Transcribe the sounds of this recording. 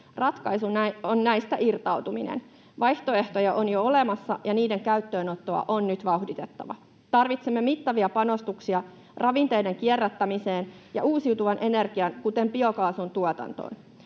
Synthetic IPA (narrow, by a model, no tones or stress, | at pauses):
rɑt̪kɑjsunonnæjst̪æʔirt̪ɑwt̪uminḛn | ʋɑjht̪o̞e̞ht̪ojɑʔonjoole̞mɑsːɑjɑniːde̞ŋkæyt̪ːøːno̞t̪ːoɑ̰ʔonːyt̪ʋɑuhdit̪et̪ːɑ̰ʋɑ̰ | t̪ɑrʋit̪semːe̞mit̪ːɑʋiɑpɑno̞st̪uksiɑ | rʔɑʋint̪e̞jde̞ŋkierːæt̪ːæmise̞ːnjɑ̰ʔuːsiuwt̪uʋɑnʔe̞ne̞rɡiɑnkut̪e̞mpiokɑːsunt̪uot̪ɑ̰nt̪o̰ːn